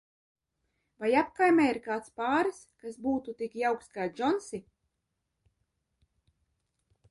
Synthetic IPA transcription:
vajapkajmʲɛːiɾkaːt̪spaːɾɨskasbuːt̪ut̪ikjawkskaːd͡ʒɔnsi

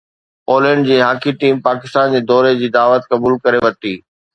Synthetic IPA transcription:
oːlə̃ɳɖd͡ʑiːɦaːkʰiʈiːmpaːkɪst̪aːnd͡ʑeːd̪ɔːɾed͡ʑiːd̪aːʋət̪kɐbuːlkɐɾeʋɐt̪iː

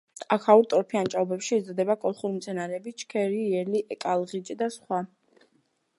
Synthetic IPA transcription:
akʰauɾt̪ʼɔɾpʰiant͡ʃʼaɔbɛpʃiɛzɔd̪ɛbakʼɔlˠχuɾimt̪sʰɛnaɾɛːbit͡ʃʰkʰɛɾiɛliʔɛkʼalˠʁit͡ʃʼd̪asχwa

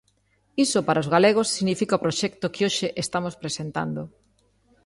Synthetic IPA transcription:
isopaɾaozɣaleɣ̞osːiɣnifikaopɾoʃɛkt̪okɪoʃɪʔest̪amospɾesent̪a̰nd̪o

